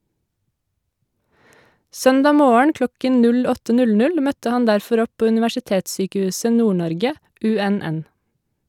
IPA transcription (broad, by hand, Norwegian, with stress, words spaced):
ˈsœndɑː ˈmoːəɳ ˈklɔkən ˈnʉl ˈɔtə ˈnʉl ˈnʉl ˈmœtə ˈhɑn ˈdæɾfɔɾ ˈɔp ˈpoː ʉnɪʋæʃɪˈteːtˌsyːkəˌhʉːsə ˈnuːˌɳɔɾɡə ˈʉˌɛˌnɛn